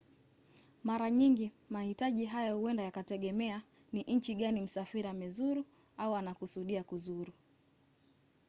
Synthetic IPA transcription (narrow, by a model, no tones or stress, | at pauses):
maɾaɲiŋɡi | mahitaʄiɦajɔhuɛndajakatɛɠɛmɛa | niʔɲ̩t͡ʃiɠanim̩safiɾamɛzuɾu | auanakusuɗiakuzuɾu